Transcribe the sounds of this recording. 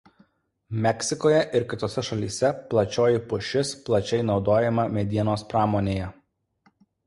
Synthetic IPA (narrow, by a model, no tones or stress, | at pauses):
mʲɛkʲsʲɪkoːjɛʔɪɾkʲɪt̪oːsʲɛʃɐlʲiːsʲɛplˠɐt͡ʃʲoːjɪpʊʃʲɪsplˠɐt͡ʃʲɛɪnɒʊd̪oːjɛmɐmʲɛd̪ʲiɛnoːspɾɑːmoːnʲeːjɛ